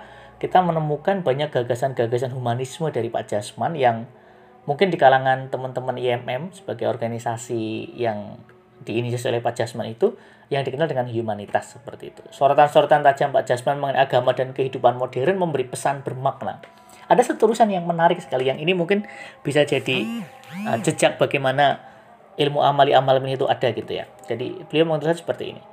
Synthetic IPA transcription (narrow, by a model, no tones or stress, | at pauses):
kit̪amənəmukanbaɲak̚ɡ̥aɡa̤sanɡaɡasanɦumanismədaɾipa̰ʔd͡ʒ̥asmanjaŋ | muŋkɪndikalaŋant̪əmənt̪əməniɛmɛmsə̥b̥aɡajɔrɡanisasijaŋ | d̥iːnisasio̰lɛhpḁd͡ʒ̥asmanit̪u | jaŋdikənaldəŋanhjumanit̪asːəpərt̪ḭːt̪u̥soɾɔt̪ansoɾɔt̪ant̪ad͡ʒampḁd͡ʒ̥asmanmuŋɪnʔaɡamadankəɦidupanmod̥ɛɾanməmbəɾipəsanb̥ərmak̚na̰ | ʔadasət̪uɾusanjaŋmənaɾɪk̚sə̥kalijaŋinimuŋkɪnb̥isad͡ʒadi | əd͡ʒəd͡ʒak̚b̥aɡejmana | ʔilmuʔamaliʔamalminit̪uʔad̥aɡit̪uja̰ | d͡ʒadḭb̥əliamuŋkɪnt̪ɾusansə̥pərt̪ḭḭnḭ